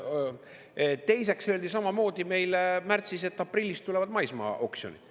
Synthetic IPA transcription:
t̪e̞jse̞ksøːld̪isɑmɑmo̞ːd̪̥ime̞jlmært̪sise̞t̪ːˑɑprilʲːist̪ule̞vɑd̪mɑjsmɑ̰o̰ksionid̪̥

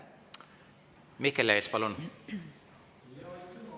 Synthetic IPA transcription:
mikːeleːspɑlun

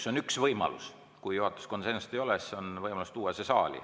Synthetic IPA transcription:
so̞nyksvɤjmɑ̰lṵs | kujjuhɑt̪ːˑu̥skonsensit̪ejo̞leseonvɤjmɑlust̪uːwɑsesɑːlʲḭ

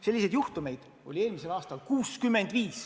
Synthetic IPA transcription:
se̞lːis̬e̞d̪̥juht̪ume̞jd̪̥ | o̞lʲie̞ːlmise̞lɑːst̪ɑlkuːskymːend̪̥viːs

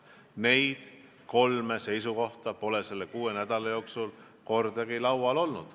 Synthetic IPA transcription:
ne̞jd̪̥ | ko̞lme̞se̞jsuko̞ht̪ɑpo̞lese̞lːekuːenæd̪̥ɑlɑjo̞ːksul | ko̞rd̪ɑɡilɑwɑlo̞lnṵd̪̥

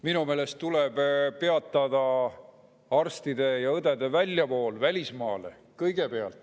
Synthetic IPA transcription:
minume̞ːle̞st̪uleb̥pe̞ɑt̪ːˑɑd̪ɑ | ɑrst̪id̪e̞jɑɤd̪ed̪̥e̞vælʲːjɑpo̞ːlvælʲismɑːle̞̰ | kɤjɡ̥e̞pe̞ɑ̰lt̪ːˑ

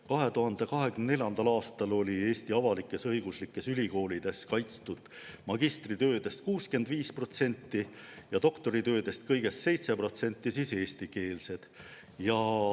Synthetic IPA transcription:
kɑɦe̞t̪uɦɑnd̪̥e̞kɑɦe̞kymnene̞lʲjɑnd̪̥ɑlɑːst̪ɑlo̞lʲie̞ːst̪iɑvɑlikːˑe̞sɤjɡ̥uslikːe̞sylʲiko̞ːlʲid̪̥e̞skɑjt̪st̪ud̪̥ | mɑɡist̪rit̪ø̞ːd̪e̞st̪̚kuːske̞nd̪viːspro̞t̪se̞nʲt̪ːi | jɑd̪o̞kt̪o̞ɾit̪øːd̪e̞st̪̚kɤjɡ̥e̞sse̞jt̪se̞pro̞t̪se̞nʲt̪ˑːisise̞ːst̪ike̞ːlse̞d̪̥ | jɑ

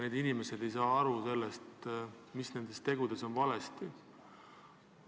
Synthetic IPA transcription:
ne̞ːd̪inime̞se̞d̪̥e̞jsɑːɑɾuse̞lːest̪ | misne̞nd̪e̞st̪e̞ɡ̥ud̪̥e̞so̞nvɑlest̪i

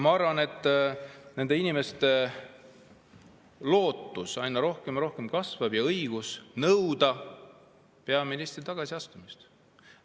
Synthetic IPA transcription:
mɑɑɾvɑne̞t̪ˑːne̞nd̪e̞inime̞st̪e̞ | lo̞ːt̪ːˑusɑjnːɑɾo̞hkemɾo̞hke̞mkɑsvɑbjɑɤjɡ̥usnɤwd̪ɑ | pe̞ɑminist̪rit̪ɑɡ̥ɑsiɑst̪umist̪

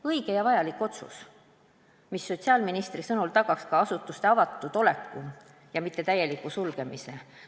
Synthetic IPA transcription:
ɤiɡ̥e̞jɑvɑjɑlikːˑo̞t̪sṵs | misːo̞t̪ʲsiɑːlminist̪risɤnult̪ɑɡ̥ɑkskɑɑsut̪ːˑust̪e̞ɑvɑt̪ːˑud̪̥o̞le̞kːu | jɑmit̪ːe̞t̪æjːe̞likːˑusulɡ̥e̞mise̞

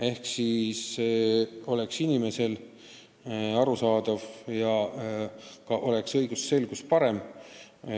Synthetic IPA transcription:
e̞hksis | o̞le̞ksinime̞se̞l | ɑɾusɑːd̪̥ɑvjɑ | kɑʔo̞le̞ksɤjɡ̥usːe̞lɡ̥uspɑɾe̞m

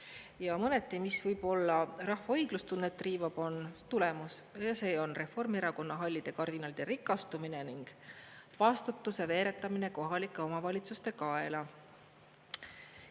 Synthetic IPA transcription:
jɑmɤnet̪ːˑimisvɤjb̥o̞lːɑrɑhvɑɤjɡ̥lust̪unːet̪ːˑriːvɑb̥o̞nt̪ule̞musjɑse̞ːo̞nre̞fo̞rmeɾɑko̞nːɑɦɑlʲːid̪̥e̞kɑrd̪̥inɑlid̪eɾikːˑɑst̪umine̞niŋɡ̥vɑst̪ut̪ːˑuse̞ve̞ːɾe̞t̪ːˑɑmine̞ko̞ɦɑlikːˑe̞o̞mɑvɑlʲit̪sust̪e̞kɑe̞lɑ

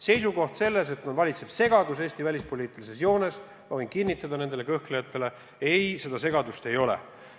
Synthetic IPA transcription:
se̞jsuko̞ht̪se̞lːe̞s̬e̞t̪nod̪vɑlʲit̪se̞b̥se̞ɡ̥ɑd̪use̞ːst̪ivælʲispo̞lʲiːt̪ːˑilise̞sjo̞ːnes | mɑvojnkinːit̪ˑːɑd̪ɑne̞nd̪ele̞kɤhklejɑt̪ˑːe̞le̞ | e̞jse̞d̪ɑse̞ɡɑd̪ust̪e̞jo̞lḛ

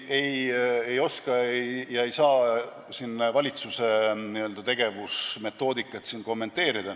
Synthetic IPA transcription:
eje̞jo̞skɑejjɑe̞jsɑː | sinːvɑlʲit̪suse̞niøld̪̥ɑt̪e̞ɡ̥e̞vusme̞t̪ːˑo̞ːd̪ikːˑɑt̪sinko̞mːe̞nt̪ːˑe̞ːɾid̪̥ɑ

